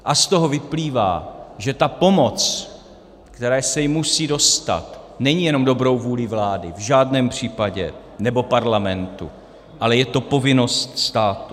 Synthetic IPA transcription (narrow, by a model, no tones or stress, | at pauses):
ʔast̪o̞ɦo̞vɪpliːva̰ːʒɛt̪apo̞mo̞t͡s | kt̪ɛɾɛːsɛjɪmusiːdo̞st̪a̰t̪nɛɲijɛno̞mdo̞bɾo̞wvuːlɪvlaːdɪvʒaːdnɛːmpr̝̥iːpaɟɛ̰ | nɛbo̞paɾlamɛnt̪ṵ | ʔalɛjɛt̪o̞po̞vɪno̞st̪st̪aːt̪u